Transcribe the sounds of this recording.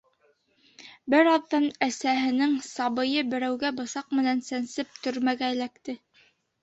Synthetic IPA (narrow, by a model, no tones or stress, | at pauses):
bɘɾɑðːɑnæsæɦɘ̆nɘŋsɑβɤ̆jɤbɘ̆ɾæwɡæbɤ̆sɑq̚mɘ̆nænsænsɘp̚t̪ɵ̆ɾmæɡæ̆lækt̪ɘ